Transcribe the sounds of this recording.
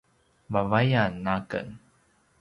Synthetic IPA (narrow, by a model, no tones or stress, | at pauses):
vavajanːakə̰n